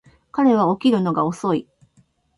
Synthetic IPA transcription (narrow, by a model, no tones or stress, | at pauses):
kaɾe̞β̞ao̞kʲiɾɯ̟no̞ɡao̞so̞i